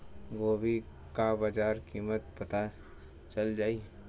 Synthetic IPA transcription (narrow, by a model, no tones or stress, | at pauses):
ɡoːbʱi | kabad͡ʒaːɾkiːmət̪̚pɐt̪a | t͡ʃəld͡ʒaːi